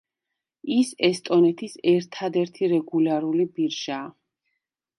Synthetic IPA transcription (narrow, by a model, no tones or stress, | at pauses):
isɛst̪ʼɔnɛt̪ʰisɛɾt̪ʰad̪ɛɾt̪ʰiɾɛɡulaɾulibiɾʒaː